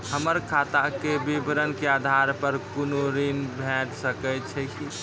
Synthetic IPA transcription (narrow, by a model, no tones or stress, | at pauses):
həməɾkʰat̪akebibɾənkead̪ʱaɾpəɾkunoɾinbʱẽʈsəkət͡ʃʰɛki